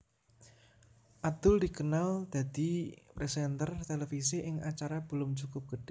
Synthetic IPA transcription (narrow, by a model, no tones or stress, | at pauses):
ʔad̪̥ʊld̪i̤kənald̪̥a̤d̪̥i̤pɾesɛnt̪ərt̪elefiseʔɪŋat͡ʃaɾab̥ə̤lʊmt͡ʃukʊp̚ɡ̥əɖ̥